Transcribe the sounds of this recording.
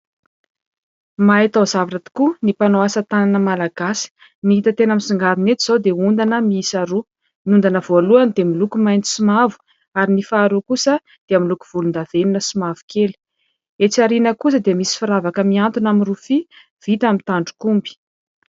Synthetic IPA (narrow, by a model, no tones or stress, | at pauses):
maet̪azavaʈ͡ʂat̪i̥kunipanoasət̪ananəmalaɡasi̥ | niɦit̪ət̪enəmisiŋɡaɾinet̪iz̥ad̪eund̪anəmiisaɾu | niund̪anəvoaluanid̪emilukumajnt̪i̥sumavu̥ | aɾinifaːɾukusə | d̪̥eamilukuv̥ulund̪aveninəsumavu̥keli̥ | et͡siaɾinəkus̬əd̪emisi̥fiɾavakəmiant̪unaminrufi | v̥it̪amint̪aɳɖ͡ʐu̥kumbi̥